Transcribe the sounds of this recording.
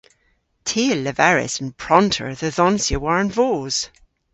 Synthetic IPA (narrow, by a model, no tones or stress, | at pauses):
tʰeːlːəvɛɹɪ̰sə̃npʰɹ̥ɔntʰə̰˞ðəðɔnsjəwaɹə̃nvoːz̥